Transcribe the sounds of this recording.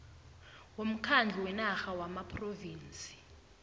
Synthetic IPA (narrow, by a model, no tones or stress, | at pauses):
wom̩kʰand͡ɮʱiwɛnaxawamapʰroviːnt͡sʼi̥